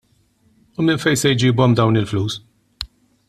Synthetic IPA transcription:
ʊmɪnfɛjsɛjd͡ʒiːbɔmd̪ɐwnɪlfluːs

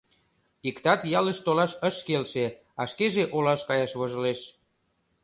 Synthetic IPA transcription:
ikt̪ɑt̪jɑləʃt̪olɑʃəʃkelʃe | ɑʃkeʒeʔolɑʃkɑjɑʃβoʒə̆leʃ

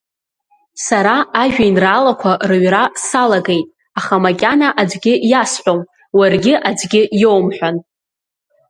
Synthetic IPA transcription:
saɾaaʒʒᶣajnraːlakʷʰarɨɥrasalaɡejtʼ | aχamakʲʼanaʔad͡zɡʲɪjasħʷᶣom | warɡʲɪʔad͡zɡʲɪjowmħʷᶣan

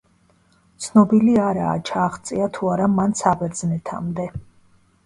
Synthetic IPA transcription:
t̪sʰnɔbiliaɾa̰ːt͡ʃʰaːχt̪sʼiat̪ʰuaɾamansabɛɾd̪znɛt̪ʰa̰md̪ɛ

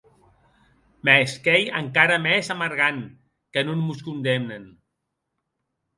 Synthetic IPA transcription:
meskejə̰ŋkaɾəmɛzaməɾɣan | kənunmuskund̪emnən

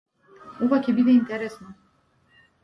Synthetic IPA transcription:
uvakʰʲɛbid̪ɛint̪ʰɛɾɛsna

